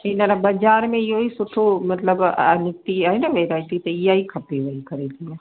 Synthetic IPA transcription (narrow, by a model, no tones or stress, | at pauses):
enaɾabɐd͡ʒaːɾmẽɪjoisʊʈʰomɐt̪ləbnɪk̚t̪iaːɦinaʋeːɾaːɪʈit̪eɪjaikʰɐpeʋɐikɐɾeːt̪ʰiã